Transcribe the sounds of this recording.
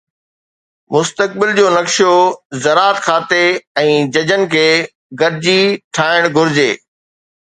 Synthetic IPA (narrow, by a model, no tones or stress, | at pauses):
mʊst̪ək̚bɪld͡ʑoːnɐkʃjozɐɾaːt̪kʰaːt̪eɛ̃ːd͡ʑɐd͡ʑən̆kʰeː | ɡɐɾɪd͡ʑiʈʰaːɪɽ̃ɡʱʊɾɪd͡ʑeː